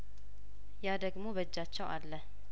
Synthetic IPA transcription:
jad̪əɡmoβəd͡ʒːat͡ʃːɛwalːə

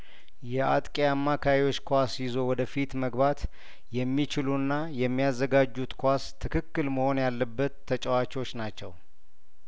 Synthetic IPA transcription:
jɛʔat̪ʼkʼeamːakʰawiwo̞t͡ʃːkʰasjɪzo̞wɔd̪əfit̪məɡbat̪ | jɛmːit͡ʃɪlunːajɛmːijazːəɡad͡ʒːut̪kʰʷast̪ʰːɨkʰɨkːɨlməho̞njalːəbːət̪ʰːət͡ʃʼɛwat͡ʃo̞t͡ʃːnat͡ʃːɛ̰w

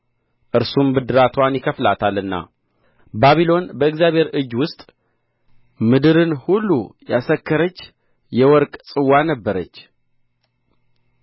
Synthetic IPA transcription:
ʔɨɾsumbɨd̪ɨɾat̪ʰwanjɪkʰəflat̪ʰalɨnːa̰ | baβilo̞nbəɨɡzjaβhe̞ɾɨd͡ʒwʊst̪ʼ | mɨd̪ɨɾɨnhulːujasəkʰːəɾət͡ʃː | jɛwɔɾkʼsʼɨwːanəbːəɾət͡ʃː

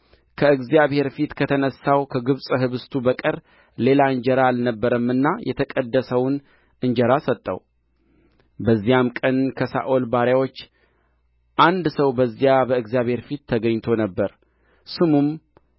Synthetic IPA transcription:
kʰəɨɡzijaβhe̞ɾfit̪kʰət̪ʰənəsːawkʰəɡɨβsʼɨɦɨβɨst̪ʰubəkʼəɾ | le̞laɨɲd͡ʒəɾaːlnəbːəɾəmːɨnːajʔɛ̰t̪ʰəkʼəd̪ːəsəwn | ʔɨɲd͡ʒəɾasət̪ʼːə̰w | bəzːijamkʼənkʰəsa̰ʔolbaɾjawo̞t͡ʃː | ʔand̪səwbəzːijabəɨɡzijaβhe̞ɾfit̪ʰːəɡəɲːt̪ʰo̞nəbːəɾ | sɨmum

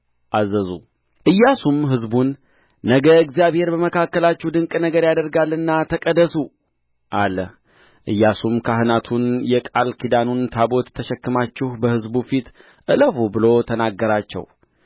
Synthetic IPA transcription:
ʔazːəzṵ | ʔɨjːasumɦɨzbunː | əɡəɨɡzijaβhe̞ɾbəməkʰakːəlat͡ʃːɛhd̪ɨŋkʼnəɡəɾjad̪əɾɡalːɨnːat̪ʰəkʼəd̪əsu | ʔalə̰h | ʔɨjːasumkʰaɦɨnat̪ʰunjɛkʼalkʰid̪anunt̪ʰabo̞t̪ʰːəʃɛkːɨmat͡ʃːɪhbəhɨzbufit̪ | ʔɨləfubɨlo̞t̪ʰənaɡːəɾat͡ʃːɛ̰w

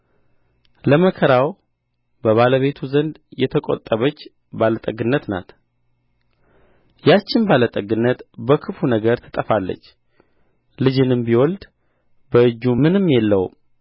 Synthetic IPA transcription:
ləməkʰəɾaw | bəβaləβe̞t̪ʰuzənd̪jɛt̪ʰəkʼo̰t̪ʼːəβət͡ʃː | balət̪ʼəɡɨnːət̪na̰t̪ | jat͡ʃːɪnbalət̪ʼəɡɨnːət̪bəkʰɨfunəɡəɾt̪ʰə̥t̪ʼəfalːə̰t͡ʃː | lɨd͡ʒɨnɨmbiwɔld̪ | bəɨd͡ʒːumɨnɨmːjɛlːəwṵ

